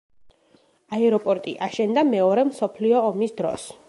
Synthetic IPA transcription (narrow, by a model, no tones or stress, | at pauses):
aɛɾɔpʼɔɾt̪ʼḭʔaʃɛnd̪amɛɔɾɛmsɔpʰliɔːmisd̪ɾɔ̰s